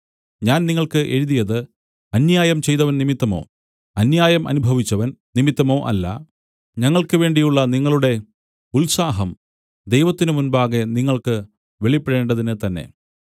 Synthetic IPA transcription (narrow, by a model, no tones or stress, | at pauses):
ɲaːnniŋːɐɭkɨʔeɻuðijɐðɨ | ɐnjaːjɐmt͡ɕe̞jt̪ɐʋɐnnimit̪ːɐmo̞̰ː | ɐnjaːjɐmʔɐ̰nubʱɐʋit͡ɕːɐʋɐnnimit̪ːɐmo̞ːʔɐ̰lːɐ̰ | ɲɐŋːɐɭkɨʋe̞ːɳɖijuɭːɐniŋːɐɭuɽe̞ | ulsaːɦɐm | d̪e̞jʋɐt̪ːinɨmunbaːɣe̞niŋːɐɭkɨ | ʋe̞ɭipːeɽe̞ːɳɖɐðinɨt̪ɐnːe̞̰